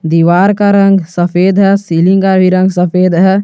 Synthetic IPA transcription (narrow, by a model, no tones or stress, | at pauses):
d̪iːʋaːɾkaɾɐ̃ŋɡsəpʰeːd̪ɦɛsiːlĩŋkaɾbʱiɾə̃ŋɡsəpʰeːd̪ɦɛ